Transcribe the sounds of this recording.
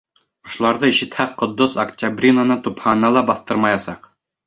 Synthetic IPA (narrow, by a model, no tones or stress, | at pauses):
ŏʃ̆lˠɑɾðɤiʃɘ̆t̪hæqːŏd̪ːosɐktʲabrʲinanɤt̪uphɑnɑlˠɑbɑθt̪ɤɾmɑjɑsɑq